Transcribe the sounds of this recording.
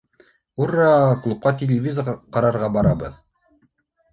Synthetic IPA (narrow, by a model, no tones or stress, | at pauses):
urːɑklˠup̚qɑt̪ʲɪlʲɪvʲizəʁɑqɑɾɑɾʁɑbɑɾɑbɤ̰ð